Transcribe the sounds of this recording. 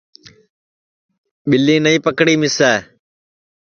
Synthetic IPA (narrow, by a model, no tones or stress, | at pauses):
ɓɪlĩːnəĩːpəkɽiːmɪsɛː